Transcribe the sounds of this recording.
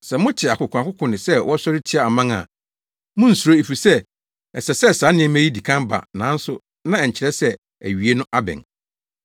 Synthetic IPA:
sɛ˨mʊ̃˦t͡ɕʰɪ˨a˨kʊ˨kʰʊ̃˨a˨kʰʊ˦kʰʊ̃˨nɪ̃˨sɛ˦wʔɔ˦sɔ˦ɾɪ˦tʰɪ˦a˨a˨mã˦ŋa̰˨ | mʊ̃˦n̩˨su˨ɾo˦e˨fi˨sɛ˦ | ɛ˨sɛ˨sɛ˦˨saː˨˦nɪ̃˦ɛ̃˦mæ̃˦ji˦di˨kʰã˦mba̰˨nã̰˨˦n̩˦sʊ˦ | nã˦ɛ˨ɲ̩˨t͡ɕʰɪ˨ɾɛ˦sɛ˦ | æ̰˨ɥi˨e˦nʊ̃˦ʔa˦bɛ̰̃˨n

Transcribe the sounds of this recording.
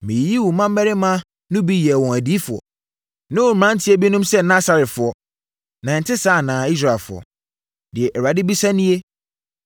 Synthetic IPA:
mɪ̃˨ji˦wʊ˨˦mã˦m˦mɛ˦ɾɪ˦mã˦ | nʊ̃˦bi˦jɛ˨wɔ̃˨æ˨di˦fʊ˨ɔ̰˨ | nɪ̃˦wʊ˨mã˦n̩˦tʰɪ˦e˦bi˦nʊ̃˦msɛ˦nã˦sa˨ɾɪ˨tfʊ˨ɔ˦ | nã˨n̩˨tʰɪ˦saː˦˨nãː˨i˦s̬ɾa˨ɛ˨lfʊ̰˨ɔ̰˨ | dɪ˨ɛ˨ʔɛ˨ɾa˨dɪ˦bi˦sa˦nĩ˦e˦

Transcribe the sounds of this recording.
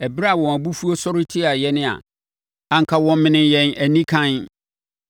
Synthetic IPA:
ɛ˨bɾa˦˨wɔ̃˨a˨bu˦fu˦o˦sɔ˦ɾɪ˦tʰɪ˦a˨jɛ˦nɪ̃˦a̰˨ | ã˨ŋ̩˨kʰa˦wɔ̃˦mɪ̃˦nɪ̃˦jɛ̃˨næ˨nĩ˦kʰã˦n

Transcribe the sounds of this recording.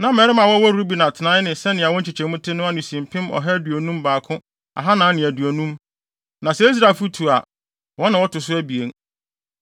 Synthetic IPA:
nã˦mɛː˨ɾɪ˦mã˨wɔ˦wɔ˦ɾu˦bi˨nã˨tʰɪ˨nã˦nɪ̃˨sɛ˦nɪ̃˨a˨wɔ̃˦t͡ɕʰi˨t͡ɕʰɛ̃˨mʊ̃˦tʰɪ˦nʊ̃˦a˦nʊ̃˨sĩ˨m˨pʰɪ̃˦mɔ̰˨ɦɛ˦du˨o˨nũ˦mbaː˨kʰʊ̃˦ | a̰˨ɦa˦nã˨˦nɪ̃˨æ˨du˨æ˨nũ˦m | nã˨sɛ˦i˦s̬ɾa˨fu˦tʰu˨a˨ | wɔ̃˦nã˨wɔ˦tʊ˨sʊ˦æ˦bi˨e˨ŋ

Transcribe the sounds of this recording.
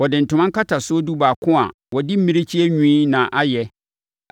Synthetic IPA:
wɔ˨dɪ̃˨n̩˨tʰʊ̃˨mã˦ŋ˦ka˦tʰa˨sʊ˦o˦du˦baː˨kʰʊ̃˦a̰˨ | wɔ˨di˦m̩˦mĩ˦ɾɪ˦t͡ɕʰi˦ɛ˦ɲᶣĩ˦nã˨ʔa˦jɛ˨

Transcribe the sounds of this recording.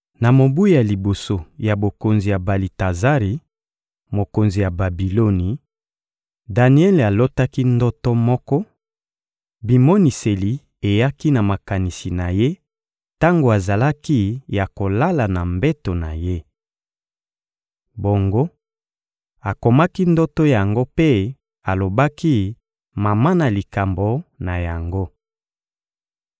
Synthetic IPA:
na˨mo˨bu˦i˦a˨li˨bo˨so˨ja˨bo˨ko˨nzi˨ja˨ba˨li˨ta˨za˦ʁi˨ | mo˨ko˨nzi˨ja˨ba˨bi˨lo˦ni˨ | da˨ni˦ɛ˦la˨lo˦ta˦ki˦ndɔ˦tɔ˦mɔ˦kɔ˦ | bi˨mo˦ni˨se˨li˨ | e˨ja˦ki˦na˨ma˨ka˨ni˨si˨na˨je˦ | ta˦ŋɡo˨a˨za˨la˦ki˦ja˨ko˨la˦la˨na˨mbe˦to˨na̰˨je˦ | bo˨ŋɡo˦ | a˨ko˨ma˦ki˦ndo˦to˦ja˨ŋɡo˦pe˦ | a˨lo˨ba˦ki˦ | ma˨ma˦na˨li˨ka˨mbo˨na˨ja˨ŋɡo˦

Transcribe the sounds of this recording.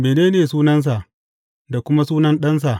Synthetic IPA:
meː˨neː˦neː˨suː˦nɐ˦ns̬a˨ʔ | da˨kʷʊ˦ma˦suː˦nɐ˦nɗɐ˦ns̬a˨ʔ

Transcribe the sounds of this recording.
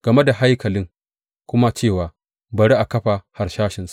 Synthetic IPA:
ɡ̥ɐ˨me˦da˨ɦa˦jkɐ˨lɪ˦ŋ | kʷʊ˦ma˦t͡ʃeː˦˨waː˨ | bɐ˨ɾi˦ʔa˨kɐ˦ɸa˨ha˨ɾʃaː˦ʃɪ˨nsḁ˦˨

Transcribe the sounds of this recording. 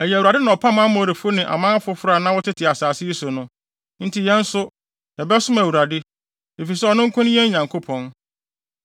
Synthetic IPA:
ɛ˨jɛ˨u˨ɾa˨dɪ˦nã˨ɔ˨pʰa˦mã˦mɔ̃˨ɾe˨fʊ˦nɪ̃˨ʔa̰˨mãː˦fʊ˦fʊ˦ɾa˨nã˦wɔ˦tɪ˦tʰɪ˨a˨saː˨sɪ˦i˦sʊ˨nʊ̃˦ | n̩˦tʰi˨jɛ̃˦n̩˦sʊ˦ | jɛ˨bɛ˦sʊ̃˦mæ˨wu˨ɾa˨dɪ˦ | e˨fi˨sɛ˦ɔ˨nʊ̃˦ŋ˦kʰʊ̃˦ñ˦jɛ˦ɲã˨ŋkʰo˦pʰɔ̃˨n

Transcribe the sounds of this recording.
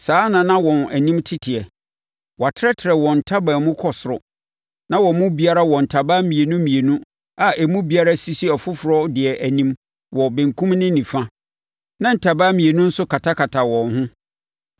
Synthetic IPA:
saː˨˦nã˨nã˦wɔ̃˨næ˨nĩ˦mtʰɪ˦tʰɪ˨ɛ˨ | wɔ˨a˨tʰɪ˦ɛ˦tʰɪ˨ɾɛ˨wɔ̃˨n̩˨tʰa˦ba˨mʊ̃˦kʰɔ˨sʊ˨ɾʊ˨ | nã˦wɔ˨˦mʊ̃˦bi˦a˦ɾa˦wɔ̃˨n̩˨tʰa˨ba˦mĩ˨e˨nũ˦mĩ˨e˨nũ˦ | a˨ɛ˨mũ˦bi˦a˦ɾa˦si˦si˦ɔ˨fʊ˦fʊ˨ɾɔ˦dɪ˨ɛ˨ʔæ˨nĩ˦m | wɔ˨bẽ˨ŋ̩˨kʰũ˦mnɪ̃˦nĩ˨fã˦ | nã˦n̩˨tʰa˨baː˦mĩ˨e˨nũ˦n̩˦sʊ˦kʰa˨tʰa˦kʰa˨tʰa˨wɔ̃˨nɦʊ̃˦

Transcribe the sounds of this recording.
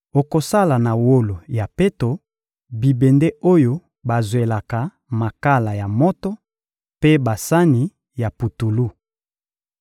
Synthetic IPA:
o˨ko˨sa˦la˨na˨wo˦lo˨ja˨pe˦to˨ | bi˨be˨nde˦o˦jo˦ | ba˨zwe˨la˨ka˨ | ma˨ka˦la˨ja˨mɔ˦tɔ˦ | pe˦ba˨sa˦ni˨ | ja˨pu˨tu˨lu˦˨

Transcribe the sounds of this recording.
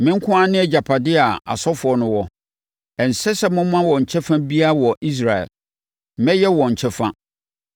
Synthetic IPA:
mɪ̃˦ŋ̩˦kʰʊ̃˦a˦nɪ̃˦ɛ˦˨d͡ʑa˨pʰa˨dɪ˦a˨a̰˨sɔ˦fʊ˨ɔ˦nʊ̃˦wɔ˨ | ɛ˨n̩˨sɛ˦sɛ˦mʊ̃˦m˦mã˦wɔ˨ɲ̩˨t͡ɕʰɛ˦fã˦bi˦a˦˨wɔ˨ʔi˦s̬ɾa˨ɛ̰˨l | mɛ̃˦jɛ˦wɔ˨ɲ̩˨t͡ɕʰɛ˦fã˦

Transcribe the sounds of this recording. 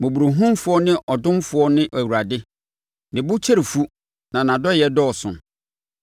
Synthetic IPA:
mʊ̃˨bu˨ɾu˨ɦũ˦mfʊ˦ɔ˦nɪ̃˦ʔɔ˨dʊ̃˦mfʊ˦ɔ˦nɪ̃˦ʔæ˨wu˨ɾa˨dɪ˦ | dɪ̃˨bʊ˦t͡ɕʰɛ˦ɾi˨fu˦ | nã˨nã˨dɔ˦˨jɛ˦dɔ˦˨sʊ̰̃˨

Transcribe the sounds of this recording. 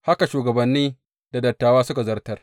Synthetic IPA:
ha˦ka˨ʃuː˨ɡɐ˨bɐ˨nːiː˦ | da˨dɐ˨tːaː˨waː˦sʊ˦ka˨zɐ˦rtɐ˦r

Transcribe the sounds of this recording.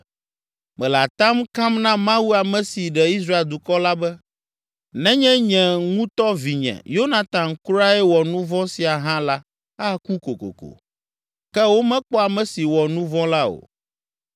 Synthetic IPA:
mɛ̃˨la˨t̪ã˦mkã˦mnã˦mã˦wu˦a˨mɛ̃˨si˨ɖɛ˨i˦s̬ɾa˦e˨ld̪u˨kɔ˦la˦bɛ˦ | nɛ̃˦ɲɛ̃˦ɲɛ̃˨ŋũ˦t̪ɔ˦vi˨ɲɛ̰̃˨jo˦nã˨t̪ã˨mkɾa˦ɛ˦wɔ˨nũ˦vɔ̃˦si˨a˨ɦã˦la˦ | a˦ku˦ko˨ko̰˨ko̰˨ | kɛ˦wo˦mɛ̃˦k͡pɔ˦a˨mɛ̃˨si˨wɔ˨nũ˦vɔ̃˦la˦o̰˨

